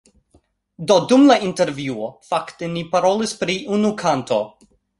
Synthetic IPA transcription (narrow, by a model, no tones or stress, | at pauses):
dodumlainte̞ɾvjuofaktenipaɾolispɾiʔunukʰanto